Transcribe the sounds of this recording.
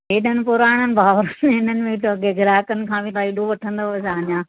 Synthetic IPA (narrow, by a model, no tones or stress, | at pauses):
ɦeːɗənɪ̆pʊɾaːɽ̃ənɪ̆bʱaːʋɾɦɪnənɪ̆mẽʈoɡeɡʱɪɾaːkənɪ̆kʰãːbʱit̪aːiɗoʋɐʈʰə̃nd̪oɐsãːɲãː